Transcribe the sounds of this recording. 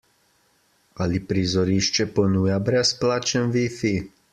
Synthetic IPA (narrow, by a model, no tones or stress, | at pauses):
alipɾizɔɾiʃt͡ʃɛpɔnuːjabɾɛsplaːt͡ʃɛnʋifi